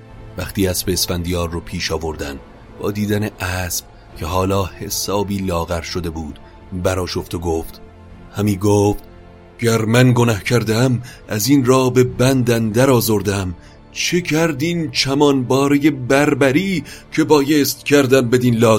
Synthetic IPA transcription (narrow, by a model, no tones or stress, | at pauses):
væχt̪iːæsbeːsfænd̪ijɒːɾːopʰiːʃɒːvo̞ɾd̪æ̰n | b̥ɒ̰ːd̪iːd̪æne̞ʔæːsb̥ | cʰe̞ɦɒːlɒːhe̞sɒːbiːlɒːɣæɾʃod̪e̞buːd̪̥ | bæɾɒːʃo̞ft̪oɡoːft̪ | hæmiːɡoːft̪ | ɟ̥æɾmænɡonæhcʰæɾd̪eæmʔæziːnɾɒːbe̞bænd̪ænd̪æɾɒːzoɾd̪æm | t͡ʃʰecʰæɾd̪iːnt͡ʃʰæmɒːnbɒːɾeje̞bæɾbæɾiːcʰe̞bɒːje̞st̪cʰæɾd̪æmbe̞d̪iːnlɒː